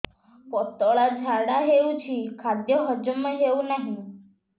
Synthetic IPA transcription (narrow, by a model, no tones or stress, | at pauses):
pɔt̪ɔɭad͡ʑʱaɽaɦeut͡ɕʰiːkʰad̪jəɦəd͡ʒəməɦeunaɦi